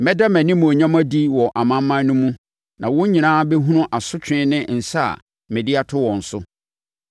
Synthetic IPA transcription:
mɛ˦da˦mæ̃˨nĩ˦mũ˨o˨ɲã˦m˦æ˦di˦wɔ˨ʔa˨mã˦m˦mːã˦n˦nũ˦mũ˦ | nã˨wʊ̃˦ɲĩ˨nãː˦bɛ˦ɦũ˦ʊ̃˦ʔa˨sʊ˦t͡ɕᶣɪ̃˦nɪ̃˦n̩˨sa˦a̰˨ | mɛ̃˨dɪ˦a˦tʰʊ˦wɔ̃˨n̩˨sʊ˦

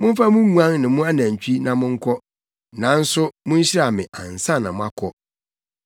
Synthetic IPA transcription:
mʊ̃˦ɱ˦fa˦mʊ̃˦ŋũ˦ã˦ŋnɪ̃˨mʊ̃˦a˦nã˨ɲ˨t͡ɕʰᶣi˦nã˨mʊ̃˦ŋ̩˦kʰɔ˦ | nã˨˦n̩˦sʊ˦mʊ̃˦n̩˦ɕɪ˦ɾa˨mɪ̃˨ʔã̰˨n˨sã˦˨nːã˨mʊ̃˦a˦kʰɔ˦

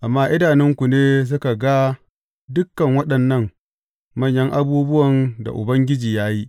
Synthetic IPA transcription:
ʔa˨mːaː˦ʔɪ˦daː˨nɪ˦ŋkʷu˨neː˦s̬a˦ka˨ɡa˦ | dʊ˦kːɐ˨ŋwɐ˦ɗɐ˨nːɐ˦ŋ | mɐ˦ɲjɐ˦ŋʔa˦buː˦bʊ˦wɐ˨nda̰˨ʔʊ̰˨bɐ˦ŋɡʲɪ˦d͡ʒiː˨jaː˦ji˦ʔ

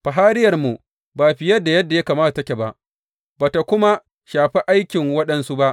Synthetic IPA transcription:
b̥a˨ɦaː˦ɾɪ˦jɐ˨rmu˨ | baː˨ɸɪ˨jɐ˦dːa˨jɐ˦dːa˨jaː˦kaː˨maː˦ta˨tɐ˦kʲe˨ba˦ʔ | baː˨ta˨kʷʊ˦ma˦ | ʃaː˨ɸi˦ʔa˦jkʲɪ˨ŋwɐ˦ɗɐ˨nsu˦ba˦ʔ

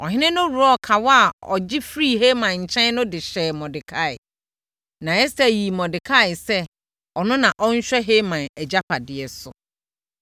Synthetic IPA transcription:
ɔ˨ɦɪ̃˦nɪ̃˦nʊ̃˦ɾu˨ɔ˦kʰa˨wɔ˦a˨ɔ̰˨d͡ʑɪ˦fɾi˦˨he˦mã˨ɲ̩˨t͡ɕʰɛ̃˦nnʊ̃˦dɪ˨ɕɛː˨mɔ̃˨dɪ˨kʰa˦˨ɪ̰˨ | nã˨ɛ˦sɛ˦˨ji˨mɔ̃˨dɪ˨kʰa˦ɪ˨sɛ˦ | ɔ˨nʊ̃˦nã˨ʔɔ˦ɲ̩˦ɕᶣɛ˦ɦe˦mã˨nɛ˨d͡ʑa˦pʰa˨dɪ˨ɛ˨sʊ̰˨

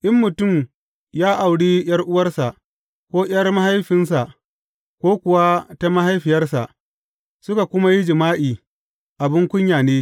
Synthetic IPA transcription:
ʔɪ˦mːʊ˨tʊ˦˨m | jaː˦ʔa˨wɽiː˦j̰ɐ˦rʔʊ˦wɐ˦rsa˨ʔ | kʷoː˦j̰ɐ˦rma˦ha˦jɸɪ˦nsa˨ʔ | kʷoː˦kʷʊ˨wa˦ta˦ma˦ha˦jɸɪ˨jɐ˦rsa˨ʔ | sʊ˦ka˨kʷʊ˦ma˦ji˦d͡ʒɪ˨maː˦ʔiː˨ | ʔa˨bɪ˦ŋkʷʊ˦ɲjaː˨neː˦

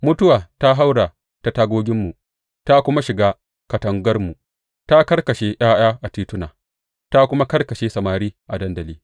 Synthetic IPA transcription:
mʊ˦tʊ˦waː˨ta˦ɦa˦wɽa˨ | ta˨taː˦ɡʷoː˦ɡʲɪ˦mːu˨ | ta˦kʷʊ˦ma˦ʃɪ˨ɡaː˦ | kɐ˨tɐ˨ŋɡɐ˦rmu˨ | ta˦kɐ˦rkɐ˨ʃe˦ʔj̰aː˦j̰aː˦ʔa˨tiː˦tʊ˦naː˨ | ta˦kʷʊ˦ma˦kɐ˦rkɐ˨ʃeː˦sɐ˨maː˨ɾiː˦ʔa˨dɐ˦ndɐ˨liː˦

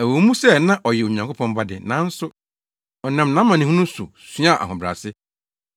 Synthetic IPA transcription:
æ˨wo˨˦mũ˦sɛ˦˨nã˦ʔɔ˨jɛ˨o˨ɲã˨ŋkʰo˦pʰɔ̃˦m˦ba˦dɪ˨nã˨˦n̩˦sʊ˦ | ɔ˨nã˨mnã˦mã˨nɪ̃˨hũ˦nʊ̃˦sʊ̰˨sĩ˦a˦˨ʔa̰˨hɔ̃˨bɾa̰˨sɪ˦

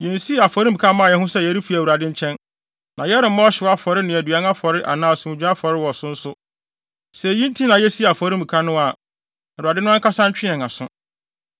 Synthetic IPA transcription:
jɛ̃˨n˨si˦˨a˨fɔ˨ɾĩ˦mbi˨kʰa˦mã˦˨jɛ˦ɦʊ̃˦sɛ˦jɛ˨˦ɾi˦fi˨˦˨wu˨ɾa˨dɪ̃˦ɲ̩˦t͡ɕʰɛ̃˦n | nʔã˨jɛ˦ɾɪ˨˦mã˦ɔ˦ɕɪ˨˦a˦fɔ˨ɾɪ˦nɪ̃˨æ˨dɥa˦ŋa˦fɔ˨ɾɪ˦ʔa̰˨nãː˦˨sɛ̃˨mɪ̃˨d͡ʑᶣu˦a˦fɔ˨ɾɪ˦wɔ˨sʊ̃˦n̩˦sʊ˦ | sɛ˨jĩ˦n̩˦tʰi˦nã˨jɛ˦si˦˨a˨fɔ˨ɾi˦mbĩ˨kʰa˦nʊ̃˦a˨ | wu˨ɾa˨dɪ˦nʊ̃˦kʰa˦sã˦ɲ˦t͡ɕᶣɪ˦ɛ̃˨ŋã˨sʊ̃˦

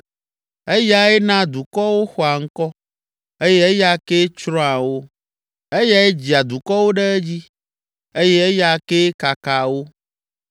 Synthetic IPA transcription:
e˦ja˦ɛ˦nã˦d̪u˨kɔ˦wo˦xɔ˨a˨ŋ̩˦kɔ˦ | e˦jɛ˦e˦ja˦ke˦t͡ʃɾɔ̃˦a˨wo˦ | e˦ja˦e˦d͡ʑi˨a˨d̪u˨kɔ˦wo˦ɖe˦e˦d͡ʑi˦ | e˦jɛ˦e˦ja˨ke˦ka˨ka˨wo˦

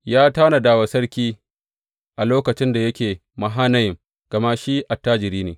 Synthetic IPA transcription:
jaː˦taː˦na˨daː˦wa˨sɐ˦ɽkʲiː˦ | ʔa˨loː˦kɐ˨t͡ʃɪ˦nda˨jɐ˦kʲeː˨ | ma˨ɦaː˦nɐ˦jɪ˨ŋ | ɡ̥ɐ˨ma˦ʃi˦ʔa˨tːaː˦d͡ʒɪ˨ɾiː˦neː˨

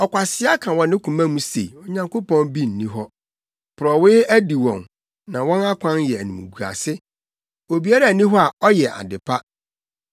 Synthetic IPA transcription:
ɔ˨kʷa˨sɪ˦a˦kʰã˨wɔ̃˨nɪ̃˦kʰũ˨mã˦mũ˦sḛ˨i˨ɔ˨ɲã˨ŋkʰo˦pʰɔ̃˦nbi˦n̩ː˨ĩ˦ɦɔ˦ | pʰʊ˨ɾɔ˨wɪ˦æ˦di˨wɔ̰̃˨n | nã˨wɔ̃˦na˦kʷʰã˦njɛ˨æ˨nĩ˨mṵ̃˨ɡu˨a̰˨sɪ˦ | o˨bi˨a˦ɾa˨nĩ˦ɦɔ˦a˨ɔ˦jɛ˨ʔa̰˨dɪ˨pʰa˦

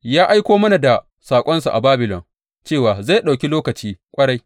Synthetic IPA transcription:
jaː˦ʔa˦jkʷoː˦mɐ˦na˨da˨ | saː˨kʷʼɔ˦nsu˨ʔa̰˨baː˦bɪ˨lɔ̰˨ŋ | t͡ʃeː˦˨waː˨za˦˨ɗa˨kʲi˦loː˦kɐ˨t͡ʃiː˦kʷʼɐ˦ɽa˦j

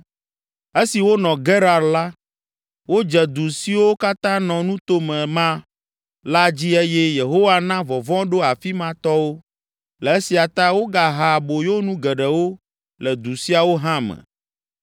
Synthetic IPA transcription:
e˦si˨wo˦nɔ̃˨ɡɛ˦ɾa˨ɾla˦ | wo˦d͡ʒɛ˨d̪u˨si˦wo˦ka˦t̪ã˦nɔ̃˨nũ˦t̪o˦mɛ̃˨mã˦ | la˦d͡ʑi˦e˦jɛ˦je˨ɦo˦wa˦nã˦vɔ˨vɔ̃˦ɖo˦a˨fi˦mã˦t̪ɔ˦wo˦ | lɛ˨e˦si˨a˨t̪a˦wo˦ɡa˨ɦa˨bo˨jo˦nũ˦ɡɛ˨ɖɛ˨wo˦ | lɛ˨d̪u˨si˦a˨wo˦ɦã˦mɛ̰˨

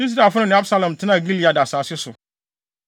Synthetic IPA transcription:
i˦s̬i˦da˨fʊ˦nʊ̃˦nɪ̃˨a˦bsa˦lã˨m˨tʰɪ˦nã˦˨ɡli˦li˨˦a˨da˨saː˨sɪ˦sʊ̰˨

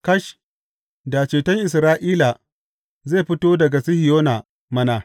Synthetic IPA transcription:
kɐ˦ʃ | da˨t͡ʃeː˨tɐ˦ŋʔɪ˨s̬ɾaː˦ʔiː˦la˨ | ze˦˨ɸɪ˦toː˦dɐ˨ɡa˨sɪ˦hɪ˨joː˦na˨ | mɐ˦na˨

